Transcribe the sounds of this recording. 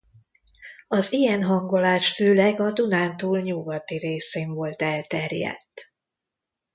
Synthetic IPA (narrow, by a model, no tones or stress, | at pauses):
ɒzijɛnɦɒŋɡo̞laːʃføːlɛɡɒd̪unaːnt̪uːlɲuɡɒt̪iɾeːseːɱvo̞lt̪ɛlt̪ɛrjɛ̰t̪ː